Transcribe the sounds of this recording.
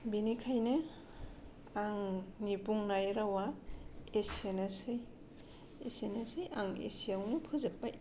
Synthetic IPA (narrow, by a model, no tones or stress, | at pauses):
binikʰajnɯ | aŋnipuŋnajɾawaesenasɯj | esenasɯjʔaŋḛsijawnɯpʰɯzapːaj